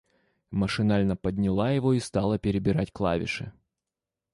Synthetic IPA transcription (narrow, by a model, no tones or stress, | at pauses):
məʂɨnalʲnəpədʲnʲɪlˠajɪvo̞ist̪ɑlˠəpʲɪɾʲɪbʲɪɾatʲklˠa̰vʲɪ̰ʂɨ̰